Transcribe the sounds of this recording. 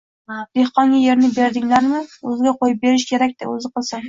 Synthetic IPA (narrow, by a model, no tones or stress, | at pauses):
d̪̥ehqɒŋɡʲaje̞ɾnɪbe̞ɾd̪ɪŋlaɾmɪɵzɪɡʲaqʰojɪp̚be̞ɾɪʃkʲʰe̞ɾakʲt̪ɪ̰ɵ̰zɪqɨlˠsam